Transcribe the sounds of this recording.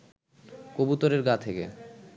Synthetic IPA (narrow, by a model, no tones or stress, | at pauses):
kobut̪oɾeɾɡat̪ʰekḛ